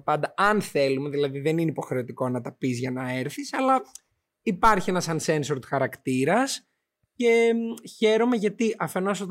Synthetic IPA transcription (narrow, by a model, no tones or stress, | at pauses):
pɐnd̪ɐɐnθe̞lume̞ðilɐðiðe̞nineipo̞xɾe̞ot̪iko̞nɐt̪ɐpizʝɐnɐe̞ɾθisɐlɐ | ipɐɾçie̞nɐsɐnse̞nsoɾt̪xɐɾɐkt̪iɾɐs | ce̞çe̞ɾo̞me̞ʝɐt̪iʔɐfe̞no̞s̬ot̪